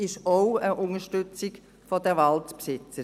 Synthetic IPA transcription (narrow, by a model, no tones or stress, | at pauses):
ɪʃoʊəʔʊŋəʃtʏt͡siɡ | fodɛʋɑltpsɪt͡səɾ